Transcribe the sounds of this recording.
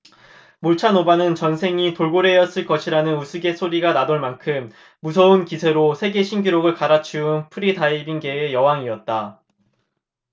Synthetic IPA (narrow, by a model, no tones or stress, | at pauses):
muɭt͡ɕʰanobanɯnt͡ɕʌnsʰe̞ŋitoɭɡoɾe̞jʌs͈ɯɭk͈ʌɕʰiɾanɯnusʰɯɡe̞s͈ʰoɾiɡanadoɭmankʰɯmː | us̬ʰʌunkisʰe̞ɾosʰe̞ɡe̞ɕʰinɡiɾoɡɯɭkaɾat͡ɕʰiunpʰɯɾidaibinɡe̞ːjʌwaŋiʌt̚t͈a